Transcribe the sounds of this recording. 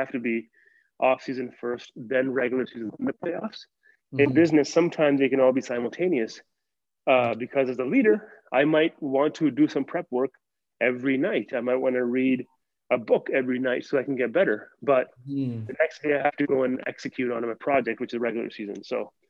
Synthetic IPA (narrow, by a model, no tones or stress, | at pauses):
hæftɨbi | ʔɔfsizɨ̃nfɜ˞stðɨ̃nɹɛɡjl̩ˠə˞sizɨ̃ñ̩n̩ðɨpʰl̥eɪɔfs | ɨ̃nbɪznɨsʌ̃mtʰãɪ̃mzɪkɨ̃nɔlˠbisãɪ̃ml̩ˠtʰẽɪ̃niɨs | bɨkʰʌzɨzəliɾə˞aɪmaɪt̚wɑ̃ntʰɨdɨsʌ̃mpʰɹ̥ɛp̚wɜ˞k | ʔɛvɹinaɪɾaɪmaɪt̚wɑ̃nɨɹiɾ | əbʊkɛvɹinaɪtsoʊaɪkn̩ɡɛt̚b̥ɛɾə˞b̥ʌt̚ɨnɛksdeɪaɪɦæftɨɡoʊə̃nɛ̰ksɨkʰj̥ʉɾnmaɪpʰɹ̥ɑd͡ʒɛk̚t̚wɨt͡ʃɨzɹɛɡjl̩ˠə̰˞sizɨ̰̃nsoʊ